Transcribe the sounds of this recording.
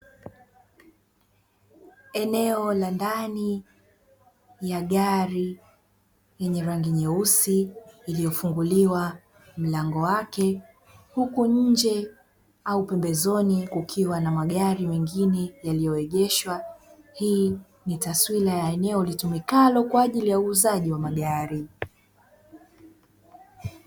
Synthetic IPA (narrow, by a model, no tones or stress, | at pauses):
ɛnɛɔlandani | jaɠaɾi | jɛɲɛɾaŋɡiɲɛusiːlijɔfuŋɡuliwa | m̩laŋɡɔwakɛ | hukuɲ̩d͡ʒɛ | aupɛmbɛzɔnikukʰiwanamaɠaɾimɛŋɡinɛjalijɔwɛʄɛʃwa | hiː | nitaswilajaɛnɛɔlitumikalɔkwaːʄilijauːzaʄiwamaɠaɾi